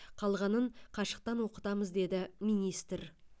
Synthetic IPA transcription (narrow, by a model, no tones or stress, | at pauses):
qʰɑlˠʁɑnəɴqʰɑʃə̥q̚t̪ɑnwo̞qət̪ɑməzd̪e̞d̪ɪminijst̪ɾ